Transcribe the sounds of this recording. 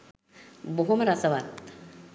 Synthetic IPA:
boɦumɾasəʋat̪

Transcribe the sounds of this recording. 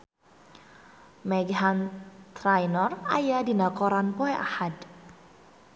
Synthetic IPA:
mɛɡɦant̪ɾajnɔra̰jadinakɔɾanpɔɛʔa̰had

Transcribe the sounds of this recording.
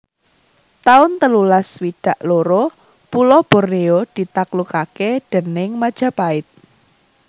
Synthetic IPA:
t̪aʊnt̪əlulaswiɖ̥a̤ʔloɾo | pulɔb̥o̤reod̪̥i̤t̪aklukaked̥ə̤nɪŋmad̥ʒ̥a̤paɪt̪̚

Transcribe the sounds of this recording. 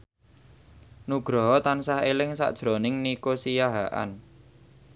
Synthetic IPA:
nuɡ̥ɾɔ̤ɦɔt̪ansahelɪŋsa̰ʔd̥ʒ̥ɾonɪŋnikosijaɦaʔa̰n

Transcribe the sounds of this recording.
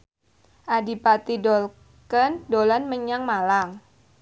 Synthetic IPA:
ʔadipat̪idɔl | kəndolanməɲaŋmalaŋ

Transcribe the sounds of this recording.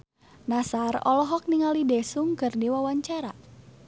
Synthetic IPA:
nasarɔ̰lɔɦɔk̚niŋalidɛsuŋkɨrdiwawaɲt͡ʃaɾa̰

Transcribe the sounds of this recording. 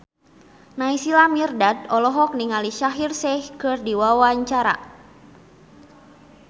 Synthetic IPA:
naisilamirdat̪̚ɔlɔɦɔk̚niŋaliʃaɦirsɛhkɨrdiwawaɲt͡ʃaɾa̰

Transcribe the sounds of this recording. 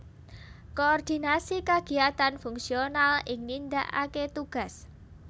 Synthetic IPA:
koɔrd̪̥i̤nasikaɡ̥i̤at̪anfuŋsionalɪŋnind̪a̰ʔa̰ket̪uɡ̥a̤s

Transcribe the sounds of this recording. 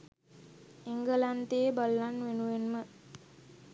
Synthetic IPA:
eŋɡəlant̪ebəlːanʋenuʋenmə

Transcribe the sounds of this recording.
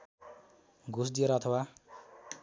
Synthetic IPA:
ɡʱusd̪ijeɾʌʌt̪ʰʌwa

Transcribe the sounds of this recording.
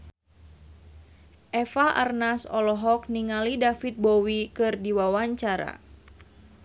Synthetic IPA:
ʔɛfaʔa̰rnasɔlɔɦɔk̚niŋalidafit̪̚bɔwikɨrdiwawaɲt͡ʃaɾa̰

